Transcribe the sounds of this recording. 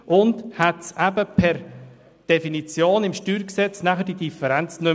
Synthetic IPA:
ʔʊndhatsæbəpʰɛɾ | d̥efinit͡sjoːnɪmʃtyːɾksɛt͡snæχəd̥id̥ifəɾɛnt͡snɵ

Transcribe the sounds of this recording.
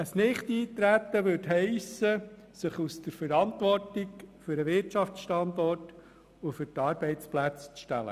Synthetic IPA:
əsnɪχt̪iːt̪ɾæt̪ːəʋɵtɦɛɪsə | sɪχusdəɾfəɾɑnt̪ʋɔrtɪɡfʏɾəʋɪɾtt͡ʃɑft͡sʃtɑnd̪ɔrt | ʊfʏɾtɑːɾb̥ɛɪt͡splæt͡st͡sʃtɛ̰lə̰

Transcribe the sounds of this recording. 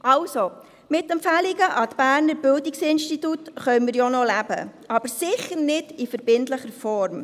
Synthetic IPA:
ʔɑlso | mɪtːɛmpfæliɡəʔɑtb̥æːɾnəɾbɪldiksɪnʃtitutχœʏməɾjonɔlæbə̰ʔɑb̥əɾsɪχəɾnɪd̥ifəɾb̥ɪntləχəɾfɔɾm

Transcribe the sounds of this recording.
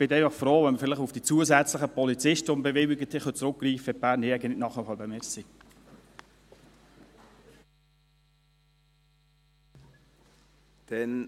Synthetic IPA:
b̥ɪt̪ɛɪfɑχfɾoːvɛnməfɪləχʊfd̥it͡suəzæt͡sləχəpɔlit͡sɪʃtəʊmbɛvɪwɪɡət̪ʰːɪχœt͡sɾʊkːriːfɛbæːɾnːiɛɪɡənlɪnɑχəhɑbɛmɛsik | d̪̥ɛn

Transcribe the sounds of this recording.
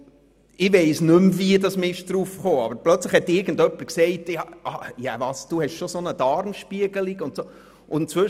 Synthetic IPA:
ɪʋɛɪsnʏmviədɑsmɪɪʃd̥ɾuːfχoːɑ̰bəɾplœt͡sləχhɛt̪ːɪɾɡ̥ən̩dœpːəɾksɛɪtɑʔɑjɑ̰vɑːsd̥uhɛʃʃosonəd̥ɑɾmʃpiəɡəliɡʊntsoː | ʊnt͡sʋɵ

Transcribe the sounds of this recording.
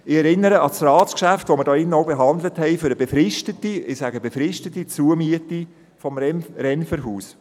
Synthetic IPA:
ɪɛɾɪnːəɾəʔɑsrɑːskʃæftʋoməɾdɔːɪnəɔwbeɦɑnd̪ləthɛɪføɾəbefɾɪʃtətiɪsæɡəbefɾɪʃtətːit͡suəmyəti | fɔmɾɛnfəɾɦuːs

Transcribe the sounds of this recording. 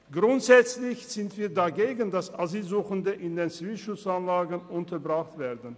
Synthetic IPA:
ɡ̥ʁʊntz̥ɛt͡slɪçz̥ɪntv̥iːɐdaɡeːɡən̩dasaziːlzuːxəndəʔɪndeːnt͡siviːlʃʊt͡sanlaːɡənʊntʰɐbʁaχtv̥eːɐdn̩

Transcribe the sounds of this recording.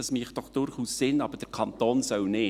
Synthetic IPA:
ɑsmiχt̚d̥ɔχd̥ʊɾχussɪnɑb̥əɾd̥əɾkʰɑnt̪oːnsœwnɪ

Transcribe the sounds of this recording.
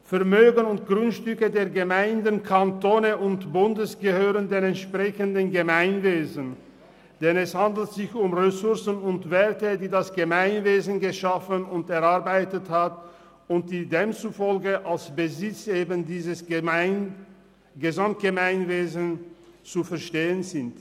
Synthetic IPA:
fɛɐmøːɡənʊnt̚ɡ̥ʁʊnʃtʏkədeːɐɡəmaɪndənkʰantoːnəʔʊntb̥ʊndəsɡ̥əhøːʁəndeːnɛntʃpʁ̥ɛçəndənɡəmaɪnveːzən̩ | d̥ɛnɛshandl̩tz̥ɪçʊmʁesʊɐsn̩ʊntv̥eːɐtədiːdasɡ̥əmaɪnveːzn̩ɡəʃafənʊntɛɐʁaɐbaɪtəthat | ʊnt̚d̥iːdeːmt͡sufɔlɡəʔalsb̥əzɪt͡seːbəndiːzəsɪn | ɡəzamt̚ɡ̥əmaɪnveːzənt͡sufɛɐʃteːənzɪnt

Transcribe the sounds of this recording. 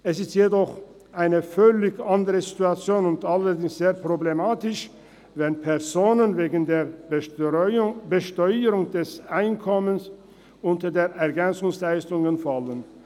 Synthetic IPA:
ʔɛsɪstjedɔχ | ʔaɪnəfœlɪçʔandəʁəzituat͡sjoːnʊntalɐdɪŋsz̥eːɐpʁ̥oblemaːtɪʃ | vɛnpʰɛɐzoːnənveːɡn̩deːɐ | bəʃtɔʏəʁʊŋdɛsʔaɪnkʰɔməns | ʊntɐdeːɐʔɛɐɡɛnt͡sʊŋslaɪstʊŋənfalən

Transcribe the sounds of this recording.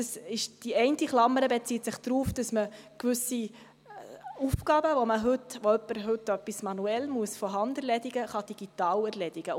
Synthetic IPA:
d̥əsɪʃd̥iɛɪntiχlɑmːəɾəbet͡siːtsɪχd̥ɾuːfd̥ɑsməkʋʏsi | ufɡ̥ɑːbəvoməɦʏtʋoœpːəɾɦɵtœpːismɑnuɛlmuəsfɔɦɑndɛɾlɛdiɡəχɑd̥iɡ̥itɑːlæɾlɛdiɡə

